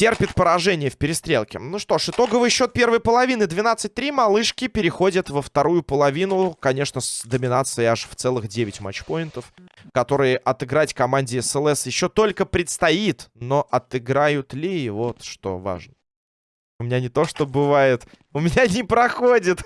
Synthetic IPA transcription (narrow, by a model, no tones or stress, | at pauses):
tʲe̞rpʲɪt̪pəɾɐʐɛnʲɪjəfpʲɪɾʲɪst̪ɾʲelˠkʲɪ̰nuʂt̪o̞ʂɨt̪o̞ɡəvɨjɕːo̞t̪̚pʲe̞rvəjpəlˠɐvʲinɨd̪vʲɪnat̪sɨt̚ʲt̪ɾʲimɐlˠɨʂkʲɪpʲɪɾʲɪxo̞dʲət̪vəft̪ɐɾujʊpəlˠɐvʲinʊkɐnʲe̞ʂnəsd̪əmʲɪnat̪sɨjɪaʂft̪sɛlˠɨxdʲevʲɪtʲma̰t͡ɕːpojɪnt̪əfkɐt̪o̞ɾɨjəʔɐt̪ɨɡɾatʲkɐmanʲdʲɪɛsɛlˠɛsjɪɕːo̞t̪o̞lʲkəpɾʲɪt̪st̪ɐit̪no̞ʔɐt̪ɨɡɾajʊt̪lʲɪvo̞t̪ʂt̪o̞̰va̰ʐnə | ʊmʲɪnʲanʲɪt̪o̞ʂt̪o̞bɨvajɪt̪ | ʊmʲɪnʲanʲɪpɾɐxodʲɪt̪